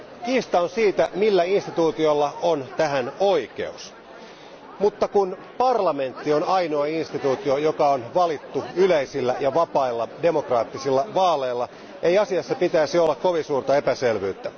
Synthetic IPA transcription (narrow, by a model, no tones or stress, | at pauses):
kiːst̪ɑonsiːt̪æmilːæinst̪it̪uːt̪iolːɑont̪æɦænoike̞̰us | mut̪ːɑkun | pɑrlɑme̞nt̪ːio̞nɑinoɑinst̪it̪uːt̪io̞jokɑonʋɑlit̪ːuyleisilːæjɑʋɑpɑilːɑde̞mo̞krɑːt̪ːisilːɑʋɑːleːlːɑ | e̞iɑsiɑsːɑpit̪æːsiolːɑkoʋinsuːrt̪ɑe̞pæselʋyːt̪ːæ